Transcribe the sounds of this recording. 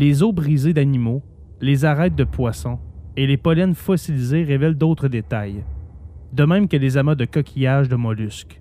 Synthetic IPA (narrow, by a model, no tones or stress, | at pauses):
lezobʁized̪animo | lezaʁɛt̪̚d̪əpwasɔ̃elepɔlɛnfɔsilizeʁevɛld̪ɔt̪χəd̪et̪aj | d̪əmɛ̃mkʲəlezamad̪əkɔkʲʰijaʒd̪əmɔlyskʲ